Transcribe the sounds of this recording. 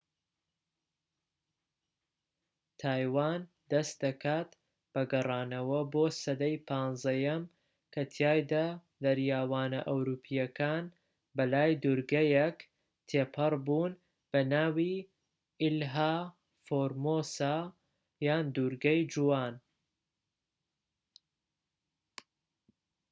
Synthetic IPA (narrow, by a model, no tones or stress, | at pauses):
t̪ʰaːjwaːn | d̪ɐst̪̚d̪ɐkʰaːt̪ | b̥ɐɡɐrˤɑːnɐwɐboːsɐd̪ɐjpʰɑːnzɐjɐm | kʰɐt̪ʰjaːjd̪ɐ | d̪ɐɾjaːwaːnɐ̰ʔɐwɾuːpʰijɐkʰaːn | bɐlaːjd̪uɾɡɐjek | t̪ʰeːpʰɨɾbuːn | b̥ɐnaːwi | ɪlɦaː | foːɾmosaː | jaːnd̪uɾɡɐjd͡ʒuwaːn